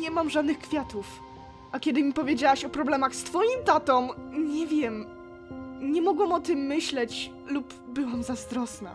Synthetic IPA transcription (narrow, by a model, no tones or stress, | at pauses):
ɲɛmamʐad̪nɘxkfʲjat̪uf | ʔakʲɛd̪ɘmʲipɔvʲjed͡ʑawaɕɔpɾɔblɛmaxst̪fɔjimt̪at̪ɔ̃mɲɛvʲjɛm | ɲɛmɔɡwamɔt̪ɘmːɘɕlɛt͡ɕ | lup | bɘwamzazd̪ɾɔsna̰